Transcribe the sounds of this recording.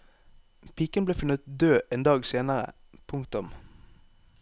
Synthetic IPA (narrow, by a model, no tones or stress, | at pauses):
pʰiːkənbleːfʉnət̪̚d̪øːʔeːnd̪ɑːɡseːnəʁə̰ | pʰʊŋkt̪ʊm